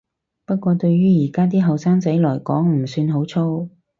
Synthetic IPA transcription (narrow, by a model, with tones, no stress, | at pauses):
pɐ˥t̚kʷɔː˧t̪ɵ˧ɥɥyː˥jiː˨˩kaː˥t̪̬iː˥ɦɐ˨wsaː˥ŋt͡sɐ˨˥jlɔː˨˩jkɔː˨˥ŋmm̩˨˩syː˧nɦo˨˥wt͡sʰo˥w